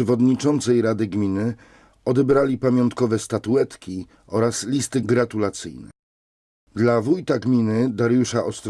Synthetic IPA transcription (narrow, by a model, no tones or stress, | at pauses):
ɛvɔd̪ɲit͡ʂɔnt̪sɛjɾad̪ɘɡmʲinɘ | ɔd̪ɛbɾalʲipamʲjɔnt̪kɔvɛst̪at̪uɛt̪kʲi | ɔɾaslʲist̪ɘɡɾat̪ulat̪sɘ̰jnɛ̰ | d̪lavujt̪aɡmʲinɘd̪aɾjuʂaʔɔst̪ɾ